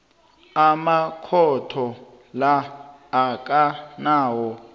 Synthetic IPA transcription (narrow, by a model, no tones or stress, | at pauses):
amakʰɔtʰɔ | laː | k̬ʼanaːwɔ